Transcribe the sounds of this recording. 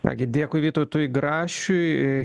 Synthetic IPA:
t̪ɑ̰ːɡʲɪd̪ʲeːkʊːɪʋʲiːt̪oːt̪ujɡɾɑːʃʲʊɪ

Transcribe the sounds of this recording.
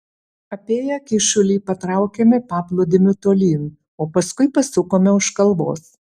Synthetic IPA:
ɐpʲeːjɛkʲɪʃʊlʲiːpɐt̪ɾɑˑʊkʲɛmʲɛpɑːplˠoːd̪ʲɪmʲʊt̪oːlʲiːn | oːpɐskʊɪpɐsʊkoːmʲɛʊʃkɐlˠbo̰ːs

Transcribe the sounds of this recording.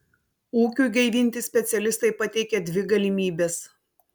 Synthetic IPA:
uːkʲuːˑɡʲɛɪʋʲiːnʲt̪ʲɪsʲpʲɛt̪sʲɛlʲɪst̪ɐɪpɐt̪ʲɛɪkʲɛd̪ʲʋʲɪɡɐlʲɪmʲiːbʲes

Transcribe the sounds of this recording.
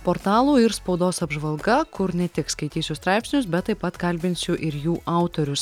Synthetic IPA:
poɾt̪ɑːlˠuːɪɾspɒʊd̪oːsɐbʒʋɐlˠɡɐkʊɾnʲɛt̪ʲɪkskɐɪt̪ʲiːsʲʊst̪ɾɑɪpʲsʲnʲʊsbʲɛt̪ːɐɪpɐt̪kɐlʲbʲɪnʲsʲʊʔɪɾjuːʔɑˑʊt̪oːɾʲʊs

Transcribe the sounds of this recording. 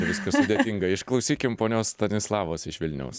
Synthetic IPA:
ʋʲɪskɐssʊd̪ʲeːt̪ʲɪŋɡɐɪʃklˠɐʊsʲiːkʲɪmpoːnʲoːst̪ɐnʲɪslˠɑːʋoːsɪʃʋʲɪlʲnʲɛ̰ʊs

